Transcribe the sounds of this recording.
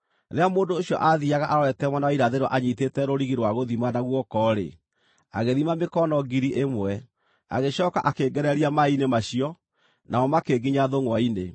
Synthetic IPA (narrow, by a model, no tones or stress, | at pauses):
ɾeamoːndoːɕjɔʔaðiaɣaʔaɾɔɾɛtɛmwanawaiɾaðeɾwɔʔaɲitetɛɾoɾiɣiɾwaɣoðimanaɣwɔkɔːɾḛ | a̰ɣeðimamekɔnɔɡiɾiʔemwɛ | a̰ɣeɕɔːka̰ʔakeɡɛɾɛɾiamainemaɕiɔ | nʔaɔmakeɡiɲaðoŋwaine